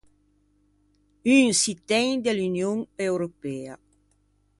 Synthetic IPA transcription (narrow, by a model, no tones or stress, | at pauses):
yŋsit̪ɛɲd̪elynjoŋewɾopɛa